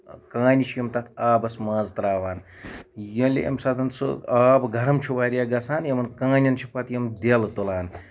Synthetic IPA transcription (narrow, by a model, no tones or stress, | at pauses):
kaːnʲit͡ʃʰijɐmt̪ɐt̪ʰaːbɐsmaːzt̪ɾaːʋaːnjɐ̃lʲḛʔmsaːd̪ʱɐnsuaːbɡʱɐɾɐmt͡ʃʰuʋaːɾijaːɡɐsʰaːnjɐmɐnkãːnʲɐnt͡ʃʰipɐt̪ʰjɐmd̪elt̪olaːn